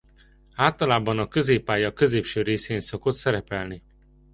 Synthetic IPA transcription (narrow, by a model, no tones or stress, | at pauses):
aːlt̪ɒlaːbɒnɒkø̞zeːpːaːjɒkø̞zeːpʃøːɾeːseːnso̞ko̞t̪sɛɾɛpɛlni